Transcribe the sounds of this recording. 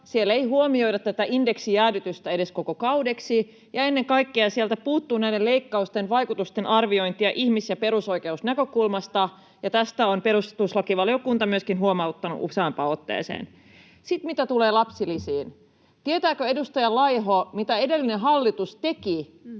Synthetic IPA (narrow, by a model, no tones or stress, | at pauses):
sieleijhuomio̞idɑt̪t̪æt̪æʔindeksijæːdyt̪yst̪æedeskokokɑudeksi | jɑenːeŋkɑikːeɑsielt̪æpuːt̪ːuːnæideleikːɑust̪enʋɑikut̪ust̪enʔɑrʋio̞int̪iɑʔihmisjɑpe̞ɾuso̞ikeusnækøkulmɑst̪ɑ | jɑt̪æst̪æonpeɾust̪t̪uslɑkiʋɑlijokunt̪ɑmyøskinɦuomɑut̪ːɑnṵʔṵseɑmpɑot̪ːḛːsḛːn | sit̪mit̪æt̪uleːlɑpsilisiːn | t̪iet̪æːkøedust̪ɑjɑlɑjɦomit̪æe̞delːineɦɑlːit̪ust̪e̞ki